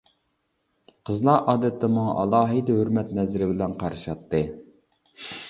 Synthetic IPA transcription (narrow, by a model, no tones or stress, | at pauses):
qʰəzlˠɑɾʔɑːd̪ɛt̪ʰːɛmʊŋ̰ʔɑ̰lˠɑːɦid̪ɛɦøɾmɛt̪nɛzɪɾɪbɪlɛnqʰɑɾɨʃɑt̪ːɨ